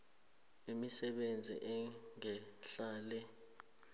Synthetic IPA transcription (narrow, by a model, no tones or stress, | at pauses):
imisɛɓend͡zʱḭʔɛŋɛɬaːlɛ